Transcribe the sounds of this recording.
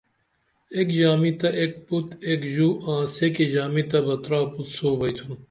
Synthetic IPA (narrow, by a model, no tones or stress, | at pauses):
ekd͡ʑaːmit̪ɐʔek̚put̪ekʑuːãːseked͡ʑaːmit̪ɐbɐt̪ɾaːput̪soːbɐjt̪ʰun